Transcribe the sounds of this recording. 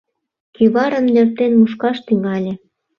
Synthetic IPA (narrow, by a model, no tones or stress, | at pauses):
kyβɑɾə̆mnør̚t̪enmuʃkɑʃt̪yŋɡɑlʲĕ